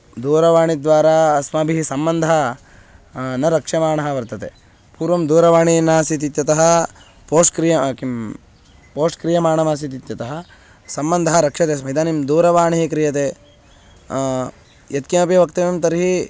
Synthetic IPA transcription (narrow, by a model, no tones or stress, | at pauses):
d̪uːɾɐʋaːɳid̪ʋaːɾaɐsmaːbʱiɦisɐmbɐnd̪ʱɐ | nɐɾɐkʂɐmaːɳɐɦɐʋɐɾt̪ɐt̪e | puːɾʋɐmd̪uːɾɐʋaːɳinaːsit̪̬it̪jɐt̪ɐɦɐ | poːʂkɾijɐki | poːʂʈkɾijɐmaːɳɐmɐsit̪̬it̪jɐt̪ɐɦɐ | sɐmbɐnd̪ʱɐɦɐɾɐkʂɐt̪esmɐid̪aːnimd̪uːɾɐʋaːɳiɦikɾijɐt̪eː | jɐt̪kimɐpjɐʋɐkt̪ɐmimt̪ɐɾiɦi